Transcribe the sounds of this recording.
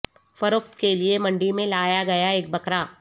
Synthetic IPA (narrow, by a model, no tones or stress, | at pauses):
fɐɾoːkt̪keliemɐ̃ɳɖimẽlaːjaɡɐjaeːk̚bɐkɾa